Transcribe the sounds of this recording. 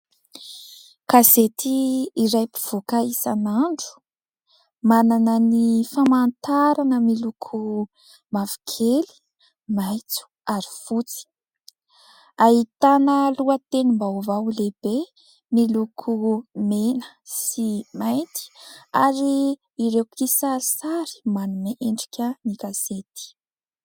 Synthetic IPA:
kazet̪ʰiːɾajpi̥v̥ukaisanaɳɖ͡ʐu̥ | mananənifamant̪aɾanəmilukʰu | mavi̥kʰeli̥ | majt͡su̥aɾi̥fut͡si̥ | aɦit̪anəluət̪enimbawvaleb̥e | milukʰumenə̥ | simajnt̪i̥aɾiː | ɾewkʰisaɾisaɾi̥manumeʔeɳɖ͡ʐi̥kʲənikaset̪i̥

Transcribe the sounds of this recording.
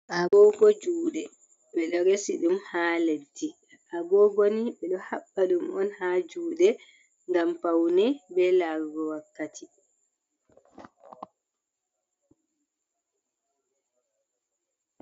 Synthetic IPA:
ʔaɡɔɡɔd͡ʒuːɗɛ | ɓɛɗɔɾesiɗumhaːledːi | ʔaɡɔɡoniɓɛɗɔhaɓːaɗumɔnhad͡ʒuːɗɛ | ŋɡampawnɛbɛlaɡɔwakːatʰi

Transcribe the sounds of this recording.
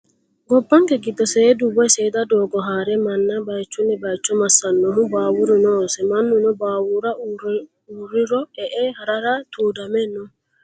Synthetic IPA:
ɡɔbːaŋɡɛɡid̪ɔsɛdubɔɛsɛjdadɔːɡɔɦaːɾɛmanːabajt͡ʃːunɛbajt͡ʃːɔmasanːɔɦubaːwuɾinɔsɛmanːunɔbaːwuɾauɾ | uɾiɾɔɛʔɛhaɾaɾat̪ʰuːdamɛnɔ

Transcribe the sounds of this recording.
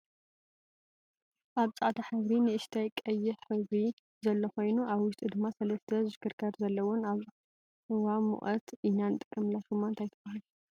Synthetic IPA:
ʔaβt͡sʼaʕt̪ʰaħɨβɾinɨɨʃt̪ʰajkʼɐjːɪħħɨβɾi | zɐlːɐxo̞jnuʔaβwʊʃt̪ʼud̪ɨmːasɐlɐst̪ʰɐzɨkʰɨɾkʰɐɾzɐlːɐwɔnaβ | ɨwamṵʔʼɐt̪ʔinant̪ʼɨkʼːɐmlaʃumːant̪ʰajt̪ʰɨbahal

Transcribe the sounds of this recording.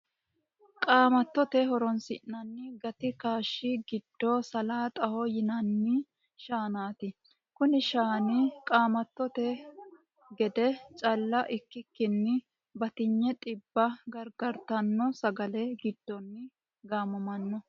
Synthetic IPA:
kʼaːmɐt̪ːɔt̪ɛɦɔɾɔnsɪ̰nːɐnːɪɡɐt̪ɪkaːʃːɪɡɪd̪̥ːosɐlaːt̪ʼɐhɔjɪnɐnːɪ | ʃaːnaːt̪ɪ | kʊnɪʃaːnɪkʼaːmɐt̪ːɔt̪ɛ | ɡɛd̪ɛt͡ʃʼɐlːɐʔɪkːɪkːɪnːɪ | bɐt̪ɪɲːɛt̪ʼɪbːɐɡɐɾɡɐɾt̪ɐnːɔsɐɡɐlɛɡɪd̪̥ːɔnːɪ | ɡaːmɐmɐnːɔ

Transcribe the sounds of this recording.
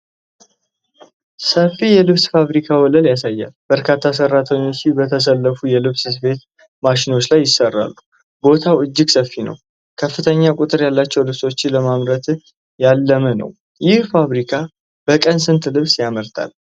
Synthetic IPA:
səfːijɛlɨβsfaβɾikʰawɔləljasajːa̰lb̥əɾkʰat̪ʰːas̬əɾːat̪ʰəɲːo̞t͡ʃːibət̪ʰəs̬əlːəfujɛlɨβssfe̞t̪ | maʃino̞t͡ʃːlajːɪsərːa̰lːu | bo̞t̪ʰawʔɨd͡ʒːɪɡsəfːinə̰w | kʰəfːɨt̪ʰəɲːakʷʼʊt̪ʼɨɾjalːat͡ʃːɛwlɨβso̞t͡ʃːɪləmamɾət̪ʰ | jalːəmənə̰w | jɪhfaβɾikʰa | b̥əkʼənsɨnt̪ʰlɨβsjaməɾt̪ʰa̰l

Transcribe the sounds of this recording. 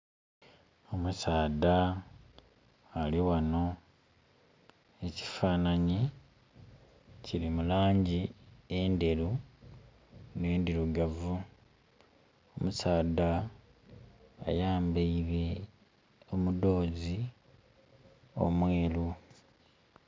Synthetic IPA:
o̞musaːda | liwano̞ | e̞ci̥faːnaɲi | ciɾimulaːɲɟiende̞ɾu | ne̞ːndiɾuɡavu | omusaːda | jaːmbeiβe | omudo̞ːzi | o̞̰mwe̞ːlu

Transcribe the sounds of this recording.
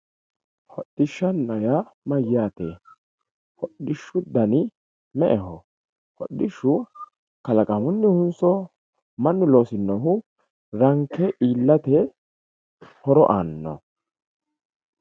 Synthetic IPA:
hɔɗːɪʃːɐnːɐjamɐjaːt̪ɛ | hɔɗːɪʃːʊd̪ɐnɪ | mɛʔɛhɔ | hɔ̰ɗːɪʃːʊ | kɐlɐkʼɐmʊnːɪhʊnsɔ | mɐnːʊlo̞ːsɪnːɔɦʊ | ɾɐŋkʰːɛʔiːlːɐt̪ɛ | hɔɾɔʔaːnːɔ̰

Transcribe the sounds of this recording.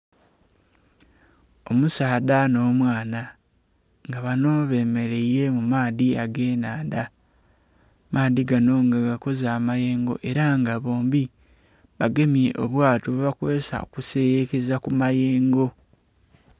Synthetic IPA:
o̞musaːdano̞ːmwaːna | ŋɡaβano̞βe̞me̞ɾe̞iɾe̞mumaːðiaɡe̞ːnaːnda | maːðiɡano̞ŋɡaɡako̞zaːmaje̞ːŋɡo̞̰ʔe̞ɾaŋɡaβo̞ːmbi | βaɡe̞mje̞ʔoβwaːtoβoβakwe̞ːsa̰o̰kuse̞jekezakumaje̞ːŋɡo̞

